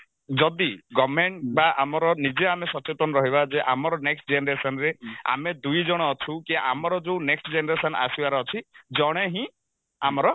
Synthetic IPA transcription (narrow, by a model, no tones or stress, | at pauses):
d͡ʒɔd̪iɡɔmeɳʈbaʔamɔɾɔnid͡ʒeamesɔt͡ʃet̪ɔnɔɾɔɦibad͡ʒeʔamɔɾɔneksʈd͡ʒeneɾesɔnɾea̰med̪ujd͡ʒɔɽ̃ɔːt͡ʃʰũkiʔamɔɾɔd͡ʒeũneksʈd͡ʒeneɾesɔna̰sibaɾɔːt͡ʃʰid͡ʒɔɽ̃eɦĩ | amɔɾɔ